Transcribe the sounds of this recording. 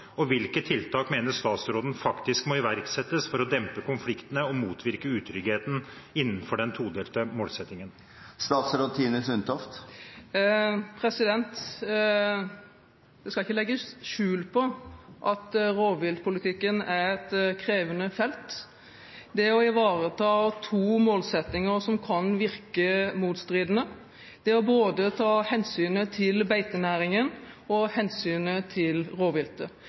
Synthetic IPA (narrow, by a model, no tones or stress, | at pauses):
ɔʋɪlkət̪ʰːɪlt̪ʰɑːkmeːnəʂt̪ɑːt̪sɾoːd̪ən̩fɑkt̪ɪskmɔɪʋæɾksɛt̪ːəsfɔɾɔd̪ɛmpəkʊnflɪkt̪ənəɔmuːt̪ʰʋɪɾkəʉːt̪ʰɾʏɡheːt̪n̩ɪnːənfɔɖɛnt̪ʰuːd̪eːlt̪əmoːlsɛt̪ːnɪŋən | st̪ɑːt̪sɾoːd̪t̪ʰiːnəsʉnt̪ʰɔft̪ | pʰɾɛsɪd̪ɛnt̪ | d̪̥ɛskɑlɪçːəlɛɡːəsʃʉːlpʰɔʔɑt̪ɾoːʋɪlt̪pʰʊlɪt̪ʰɪkːənæɾɛt̪kʰɾeːʋənəfɛlt̪ | d̪ɛɔɪʋɑːɾət̪ʰɑːt̪ʰuːmoːlsɛt̪nɪŋəɾsɔmkʰɑnʋɪɾkəmuːt̪st̪ɾiːd̪ənə | d̪̥ɛɔboːd̪ət̪ʰɑːhɛnsyːnət̪ʰɪlbæɪt̪ənæːɾɪŋənɔhɛnsyːnət̪ʰɪlɾoːʋɪlt̪ə